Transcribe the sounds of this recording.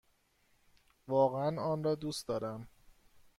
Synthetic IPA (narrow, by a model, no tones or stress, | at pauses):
vɒːɣeænɒːnrɒːd̪uːsd̪ɒːɾæm